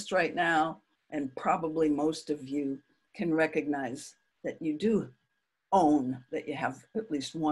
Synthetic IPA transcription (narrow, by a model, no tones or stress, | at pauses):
st̚ɹaɪtⁿnaʊ | ʔɨ̃npʰɹ̥ɑbəblimoʊstʌvjɨ | kʰɨ̃nɹɛkɨɡ̚naɪz | ðɨt͡ʃɨdɨ | õʊ̃nðɨt͡ʃɨəvɨtˡlist̚wʌ̃